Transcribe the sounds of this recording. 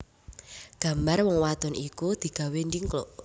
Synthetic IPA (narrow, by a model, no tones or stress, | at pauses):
ɡ̥ä̤mbarwɔŋwat̪ʊnikud̪̥i̤ɡ̥ä̤wendiŋklɔʔ